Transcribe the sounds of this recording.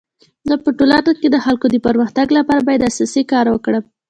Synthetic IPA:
d̪ɑpəʈolaɾnat̪̚ked̪əxalkod̪əpəɾməxt̪aɡlapɑɾabɑjad̪asɑsikɑɾwəkɽə

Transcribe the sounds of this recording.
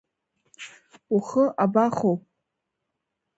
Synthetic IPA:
uχəʔabaχowpʼ

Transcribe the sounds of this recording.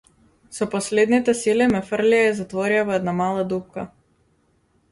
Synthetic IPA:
sɔpɔslɛd̪nit̪ɛsilimɛfrliaizat̪vɔɾiavɔɛd̪namalˠad̪up̚ka

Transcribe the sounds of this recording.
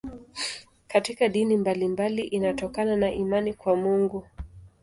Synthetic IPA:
katikaɗinimbalimbaliʔinatɔkananaʔimanikwamuŋɡu

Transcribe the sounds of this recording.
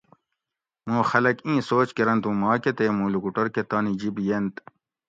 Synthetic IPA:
mũːxɐlɐkĩːsoːt͡ɕkeɾɐnt̪ũːmɑːket̪eːmuːlukuʈɐɾket̪aːnid͡ʑibijent̪

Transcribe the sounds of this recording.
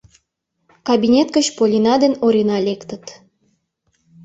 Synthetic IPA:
kabʲinʲet̪kət͡ɕpolʲinɑd̪enoɾʲenɑlʲekt̪ə̆t̪

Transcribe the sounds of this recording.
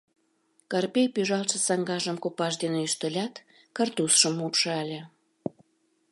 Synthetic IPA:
kɑrpʲejpyʒɑlt̪ʃə̆sɑŋɡɑʒəmkopɑʃd̪eneyʃt̪əlʲɑt̪ | kɑrt̪usʃəmupʃɤælʲe

